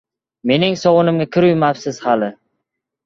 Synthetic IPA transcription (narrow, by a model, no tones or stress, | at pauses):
me̞nɪŋsɒwʊnɪmɡʲakʲʰɪɾʊjmapsɪz̥halɪ